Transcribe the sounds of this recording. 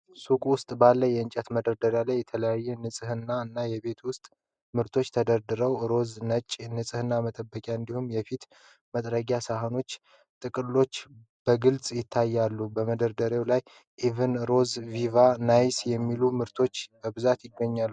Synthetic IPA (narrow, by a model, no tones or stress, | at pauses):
sukʼwʊst̪ʼbalːəjɛɨɲt͡ʃʼət̪məd̪əɾd̪əɾjalajːɛt̪ʰələjajːɛnɨsʼɨhɨnːaɨnːajɛβe̞t̪ʰwʊst̪ʼ | mɨɾt̪ʰo̞t͡ʃːt̪ʰəd̪əɾd̪ɨɾəwɾo̞znət͡ʃʼnɨsʼɨhɨnːamət̪ʼəbːəkʼjaɨnd̪ihumjɛfit̪ | mət̪ʼɾəɡʲasaɦəno̞t͡ʃː | t̪ʼɨkʼɨlːo̞t͡ʃː | b̥əɡɨlt͡sʼjɪt̪ʰːajːalːubəməd̪əɾd̪əɾewlaj | ʔivɨnɾo̞zvivanajsjɛmːilumɨɾt̪ʰo̞t͡ʃːbəbɨzat̪jɪɡːəɲːalːu